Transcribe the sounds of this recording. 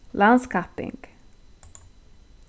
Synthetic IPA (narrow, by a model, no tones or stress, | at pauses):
laʊnskʰapɪ̰̃ŋɡ